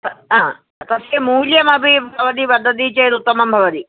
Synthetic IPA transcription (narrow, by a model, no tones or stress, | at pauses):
t̪ɐɦãː | t̪ɐseːmuːljɐmɐ̃bɪbʱɐʋɐd̪iʋɐd̪ʱɐt̪it͡ʃɐjd̪ʊt̪ːɐmɐmbʱɐʋɐd̪i